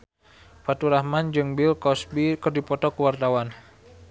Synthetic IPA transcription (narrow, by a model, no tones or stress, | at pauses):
fat̪uɾahmand͡ʒɨŋbilkɔsbikɨrdipɔt̪ɔkuwart̪awan